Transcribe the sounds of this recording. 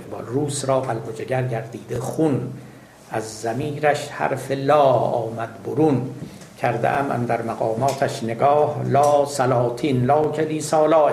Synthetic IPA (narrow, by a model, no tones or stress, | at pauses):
bruːsɾɒːqælbod͡ʒeɡæɾɟæɾd̪iːd̪exun | ʔæzːæmiːɾæʃhæ̰ɾfelɒːɒ̰ːmæd̪boɾun | cʰæɾd̪ḛʔæ̰mʔæ̰nd̪æɾmæɣɒːmɒːt̪ʰæʃneɡɒːhlɒːsælɒːt̪ʰiːnlɒːcʰed̪iːsɒːlɒː